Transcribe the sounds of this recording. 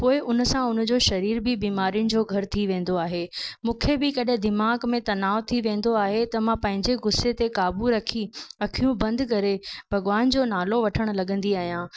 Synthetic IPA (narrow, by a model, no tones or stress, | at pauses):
poːɪʔʊnəsãʊnə̆d͡ʑoːʃɐɾiːɾbɪbiːmaːɾijʊnɪ̆d͡ʑoːɡʱɐɾt̪ʰiʋẽːn̆d̪oaːɦeːmũːkʰebɪkɐɗɪ̃d̪ɪmaːɡmẽt̪ɐnaːʋt̪ʰiʋẽːn̆d̪oaːɦet̪ɐmãpɐ̃ɦɪ̃ɲd͡ʑeɡʊset̪ekaːbuɾɐkʰiɐkʰijũbɐ̃nd̪k̬ɐɾebʱɐɡʋaːnd͡ʑoːnaːloʋɐʈʰəɽ̃lɐɠə̃nd̪iaːɦijãː